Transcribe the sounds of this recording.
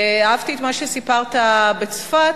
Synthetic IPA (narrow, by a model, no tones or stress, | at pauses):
aavt̪iet̪maʃesipaʁt̪abet͡sfat